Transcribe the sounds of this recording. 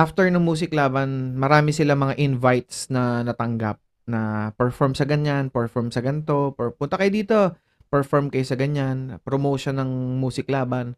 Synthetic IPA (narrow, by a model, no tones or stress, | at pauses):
ʔaft̪ɛɹnʊŋmuːs̬ɪklaːbɐnmɐɾaːmɪsɪlamɐŋaʔɪnvajt̪snɐnɐt̪ɐŋɡa̰p̚ | nɐpɛɹfɔɹmsɐɡɐɲanpɛɹfɔɹmsɐɡɐnt̪o̞ppʊnt̪ɐkɐjod̪iːt̪o̞ | pɛɹfoɹmkɐjosɐɡɐɲanpɾomoːʃonːɐŋmuːsɪklaːbɐn